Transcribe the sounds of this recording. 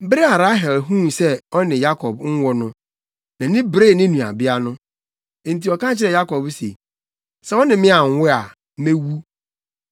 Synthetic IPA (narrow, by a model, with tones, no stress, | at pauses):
bɾe˦a˨ɾa˦ɦɛ˨lɦũ˦˨sɛ˦ɔ˦nɪ̃˨ja˦kʰɔ˨bŋ̩˦wɔ˦nʊ̃˦ | nã˨nɪ̃˦bɾe˦˨nɪ̃˦nũ˨a̰˨bɪ˦a˦nʊ̃˦ | n̩˨tʰi˨ɔ˨kã˦t͡ɕʰɪ˦ɾɛ˨ja˦kɔ˨bsḛ˨ | sɛ˦ɔ˦nɪ̃˨mɪ̃˦a˨ŋ˦wʊ˦a˨˦ | mẽ˦wu˦